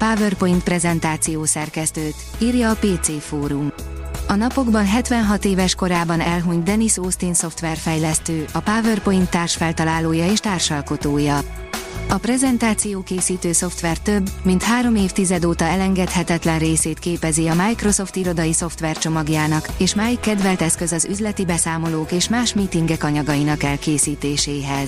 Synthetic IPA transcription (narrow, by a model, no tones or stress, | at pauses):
paːvørpo̞jint̪̚pɾɛzɛnt̪aːt̪sijoːsɛrkɛst̪øːt̪ | iːrjɒːpeːt̪seːfoːɾumɒnɒpo̞ɡbɒnɦɛt̪vɛnɦɒt̪eːvɛʃko̞ɾaːbɒnɛlɦuɲt̪̚d̪ɛnisoːst̪inso̞ft̪ʋɛrfɛjlɛst̪øːʔɒpaːvørpo̞jint̪ːaːrʃfɛlt̪ɒlaːloːjɒeːʃt̪aːrʃɒlko̞t̪oːjɒ | ɒprɛzɛnt̪aːt̪sijoːkeːsiːt̪øːso̞ft̪ʋɛrt̪øbːmint̪haːɾo̞meːft̪izɛd̪oːt̪ɒɛlɛŋɡɛt̪hɛt̪ɛt̪lɛnreːseːt̪keːpɛziɒmaːjkro̞so̞ft̪iɾo̞d̪ɒjiso̞ft̪ʋɛrt͡ʃo̞mɒɡjaːnɒkeːʃmaːjikːɛd̪vɛlt̪ɛskøzɒzyzlɛt̪ibɛsaːmo̞loːkeːʃmaːʃmit̪iŋɡɛkɒɲɒɡɒjinɒkɛlkeːsiːt̪eːʃeːɦɛz̥